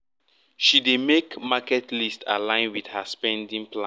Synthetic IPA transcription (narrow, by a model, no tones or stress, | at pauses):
ʃidemekmakɛtlistalãɪ̃nwidhaspɛ̃ndĩŋpʰlã